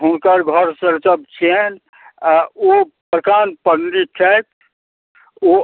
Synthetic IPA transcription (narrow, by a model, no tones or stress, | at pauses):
ɦunkəɾɡʱɔɾsəɾt͡ʃəb̚t͡ʃʰien | opəɾkanpənɾit͡ʃʰɛt̪ | o